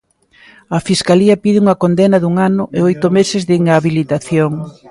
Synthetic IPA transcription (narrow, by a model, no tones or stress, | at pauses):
ɐfiskaliɐpiðɪuŋɐkond̪enɐðuŋanʊʔeojt̪ʊmesɪzðiŋaβilit̪aθjoŋ